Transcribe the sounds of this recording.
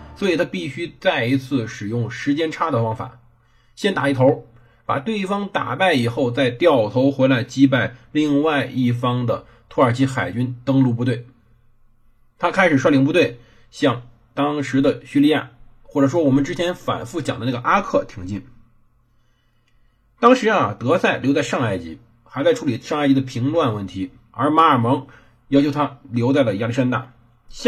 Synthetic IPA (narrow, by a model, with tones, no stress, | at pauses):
swɔ˧˥i˨˩t̪ʰa˥pi˥˩ɕy˥t͡sa˥˩ɪi˧˥t͡sʰɹ̩˥˩ʂɻ̩˨˩jʊ˥˩ŋʂɻ̩˧˥t͡ɕjɛ˥nʈ͡ʂʰa˥d̪ə˨fɑ˥ŋfa̰˨˩˦ | ɕjɛ˥nt̪a̰˨˩i˥˩t̪ʰo˧˥ʊ | pa̰˨˩t̪we˥˩ɪi˧˩fɑ˥ŋt̪a̰˨˩pa˥˩ɪi˨˩xo˥˧ʊt͡sa˥˧ɪt̪jɑ˥˩ʊt̪ʰo˧˥ʊxwe˧˥ɪla˧˥ɪt͡ɕi˥p̬a˥˩ɪli˥˧ŋwa˥˧ɪʔi˥˩fɑ˥ŋd̪ə˨ | t̪ʰu˥ə˞˨˩t͡ɕʰi˥xa˨˩ɪt͡ɕy˥nt̪ɤ˥ŋlu˥˩p̬u˥˧t̪we˥˩ɪ | t̪ʰa˥kʰa˥ɪʂɻ̩˨˩ʂ̬wa˥˩li˧˥ŋp̬u˧t̪we˥˩ɪ | ɕjɑ˥˩ŋ | t̪ɑ˥ŋʂɻ̩˧˥d̪ə˨ɕy˥li˥˧˥ja̰˥˩ | xwɔ˥˩ʈ͡ʂɤ˨˩ʂ̬wɔ˥wɔ˨˩mə˦nʈ͡ʂɻ̩˥t͡ɕʰjɛ˧˥nfa̰˨˩nfu˥˩t͡ɕjɑ˨˩ŋd̪ə˦na˥˩ɡə˩ʔa˥kʰɤ˥˩t̪ʰi˧˥ŋt͡ɕi˥˩n | t̪ɑ˥ŋʂɻ̩˧˥ɐ˨t̪ɤ˧˥sa˥˩ɪlo˧˥t͡sa˥˧ɪʂɑ˥˧ŋa˥˩ɪt͡ɕḭ˧˥ | xa˧˥ɪt͡sa˥ɪʈ͡ʂʰu˧˥li˨˩ʂɑ˥˧ŋ˥˩ɪt͡ɕi˧˥d̪ə˧˩pʰi˧˥ŋlwa˥˧nwə˥˩nt̪ʰi˧˥ | ə˞˧˥ma˧˥ə˞˨˩mɤ˧˥ŋ | jɑ˥ʊt͡ɕʰo˧˥ʊt̪ʰa˥ljo˧˥ʊt͡sa˥˩ɪlə˩i˧˥a˥˩i˥ʂa˥nt̪a̰˥˩ | ɕ